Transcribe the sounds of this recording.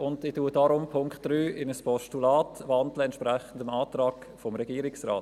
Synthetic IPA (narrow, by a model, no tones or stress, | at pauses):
ʊndɪtuːədaɾʊmpʰʊŋkχtd̥ɾyːʔɪnəspʰɔʃtulaːtvandləɛntʃpɾɛχən̩dəmaːtrɑːɡ | fɔmɾɛɡiːəɾɪksraːt